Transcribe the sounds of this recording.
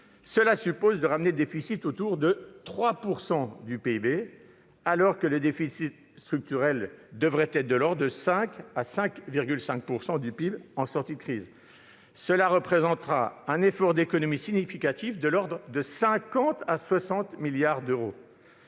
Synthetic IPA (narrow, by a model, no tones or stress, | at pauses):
səlasypozd̪əʁamneləd̪efisit̪ot̪uʁd̪ət̪χwapuʁsɑ̃d̪ypeibe | alɔʁkələd̪efisit̪ | st̪χyk̚t̪yʁɛld̪əvʁɛt̪t̪ɛd̪əlɔʁd̪d̪əsɛ̃kasɛ̃kviʁɡʲylsɛ̃k̚puʁsɑ̃d̪ypibɑ̃sɔʁt̪id̪əkχiz | səlaʁəpχezɑ̃t̪ʁaɛ̃nefɔʁd̪ekɔnɔmisiɲifikat̪ifd̪əlɔʁd̪ʁd̪əsɛ̃kɑ̃t̪aswasɑ̃t̪miljaʁd̪øʁo